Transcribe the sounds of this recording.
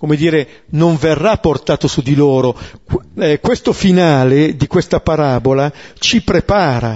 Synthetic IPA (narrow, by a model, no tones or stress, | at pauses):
komed̪iːɾe | noɱverːapːort̪aːt̪osud̪iloːɾo | kwest̪ofinaːled̪ikwest̪apaɾaːbolat͡ʃipɾepaːɾa̰